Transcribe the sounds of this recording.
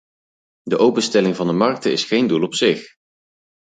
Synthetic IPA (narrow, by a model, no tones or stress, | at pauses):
dəʔowpənstɛlɪŋvɑndəmɑɹk̚təɪ̰sχejndulˠɔpsɪχ